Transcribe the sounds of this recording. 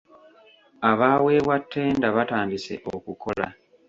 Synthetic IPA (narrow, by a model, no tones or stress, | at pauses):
aβaːwe̞ːβwatʰːe̞ːndaβataːndise̞̰ʔokuko̞la̰